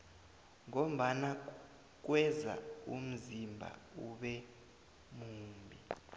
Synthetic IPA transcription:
ŋom̩ɓana | k̬wɛza̰um̩zimbʱa̰uɓɛ | muːmbʱi

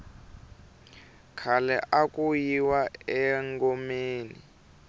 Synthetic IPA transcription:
kʰalɛʔakʼujiwaɛŋɡɔmeːnḭ

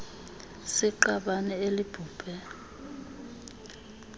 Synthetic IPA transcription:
sɪǃaɓanɛelib̥ʱuːb̥ʱɛ

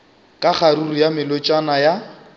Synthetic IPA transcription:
kʼaχaɾurijamɪlʊt͡ʃʼanaja

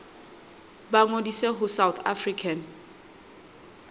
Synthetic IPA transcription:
baŋodiseɦʊsawt̪ʰa̰frikʰan

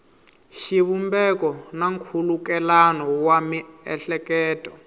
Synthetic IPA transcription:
ʃiβumbɛkɔnaŋkʰulukɛlanɔwamiɛ̰ɬɛkɛːtʼɔ

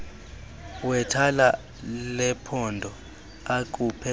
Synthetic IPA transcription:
wɛtʰala | lɛpʰɔndʱɔ | ak̬ʼupʰɛ

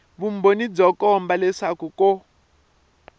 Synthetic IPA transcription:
βumbonib͡ʐɔkɔmbalɛʂakuko

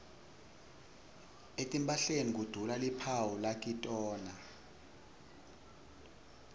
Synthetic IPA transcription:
etʼimpʼaɬenik̬ud̥ʱulalipʰawulak̬ʼitʼɔːna

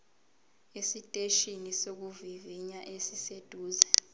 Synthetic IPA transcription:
esitʼeʃinisok̬uviviɲaʔesised̥ʱuːzɛ

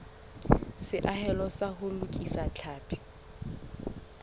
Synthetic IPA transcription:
sɪʔaɦɛlɔsahʊlʊkʼisat͡ɬʰaːpʼʰɪ̥

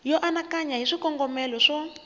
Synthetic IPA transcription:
jɔʔanakaɲaɦiʂikɔŋɡɔmɛlɔʂɔ

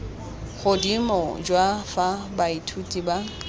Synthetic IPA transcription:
ɣʊdimɔd͡ʒwafabaitʰutʼiba

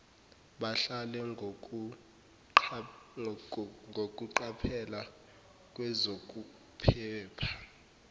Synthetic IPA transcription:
ɓaɬalɛ | ŋʱok̬ʼuǃapʰɛla | k̬ʼwɛzok̬ʼu | pʰɛːpʰḁ

